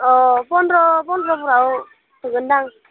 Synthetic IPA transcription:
ɔpɔnɾɔpɔnɾɔpuɾao | təɡɯndaŋ

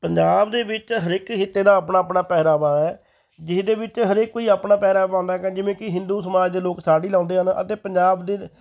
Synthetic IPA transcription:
pəɲd͡ʒaːbd̪eːbɪt͡ʃɦəɾɪkɦɪt̪ːeːd̪aːəpnaːəpnaːpɛːɾaːʋaːɛː | d͡ʒɪsd̪eːbɪt͡ʃɦəɾɪkːoːiːaːpnaːpɛːɾaːʋãːnd̪aːɛkɛ̃ːd͡ʒɪʋẽːkɪɦɪ̃nd̪uːsəmaːd͡ʒd̪eːloːksaːɽiːlãːnd̪eːɦənə̰t̪eːpəɲd͡ʒaːbd̪eː

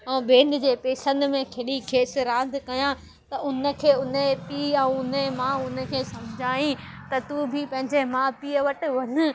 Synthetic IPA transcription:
ɛ̃ːbẽːnd̪ɪ̆d͡ʑeːpeːsə̃nd̪mẽkʰeɽikʰeːsɪɾãːd̪ʱɪkɐjã | t̪ɐʊnə̆kʰeːʊnepiːɛ̃ʊnemãʊnə̆kʰeːsɐmɪd͡ʑʱaːĩt̪ɐt̪ubʱɪpɐ̃ɦɪ̃ɲd͡ʑemãpiːəʋɐʈɪ̆ʋɐnʊ̆

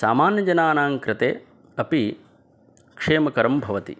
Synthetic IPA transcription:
sa̰ːmaːnjɐd͡ʒɐnaːnaːŋkɾɪt̪ḛː | ɐpi | kʂeːmɐkɐɾɐmbʱɐʋɐt̪ḭ

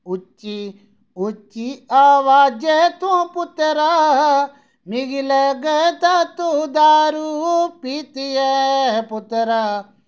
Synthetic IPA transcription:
ut͡ʃːi | ut͡ʃːiaːʋaːd͡ʒet̪õpʊt̪ɾa | miɡileɡət̪at̪ud̪aːɾupit̪ijeɦpʊt̪ɾa

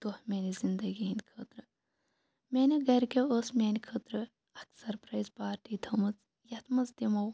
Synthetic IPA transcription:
t̪ohmʲeːnizind̪ɐɡiːnʲkʰəːt̪ɾɨ | mʲenʲiɡɐɾkeosmʲeːnʲkʰəːt̪ɾɨ | ɐksɐɾpɾɐjzpaːɾʈiːt̪ʰɐmɨt͡s | jɐt̪mɐzd̪imɐw

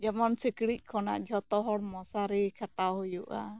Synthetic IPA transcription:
d͡ʒamansəkɽiʔ̚kʰɔna̰ʔd͡ʒɔt̪ɔɦɔɽmɔsaɾikʰat̪aɦujuʔa̰

